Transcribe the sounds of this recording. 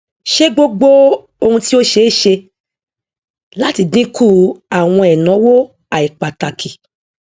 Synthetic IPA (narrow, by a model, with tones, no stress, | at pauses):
ʃe˦ɡ͡bo˦ɡ͡bo˦ | o˧hũ˧ti˦o˦ʃe˧˦ʃe˧ | la˦ti˨˧dĩ˦kʰu˦˨a˨w̃ɔ̃˧ɛ˨nɔ̃˨˦wo˦ | a˨i˨k͡pa˨ta˨kʰi˨